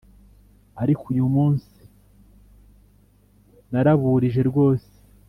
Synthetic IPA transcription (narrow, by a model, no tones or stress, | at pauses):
aɾikujumuːnsi | naɾaβuːɾiʒe̞ɾɡo̞ːse̥